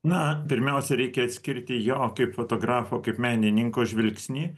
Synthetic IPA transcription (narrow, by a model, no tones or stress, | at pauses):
nɐpʲɪɾʲmʲɛʊsʲɛɾʲɛɪkʲɛɐt̪ʲsʲkʲɪɾʲt̪ʲɪjoːkʲɐɪpfoːt̪oːɡɾɑːfoːkɐɪpmʲæːnʲɪnʲɪŋkoːʒʲʋʲɪlʲksʲnʲiː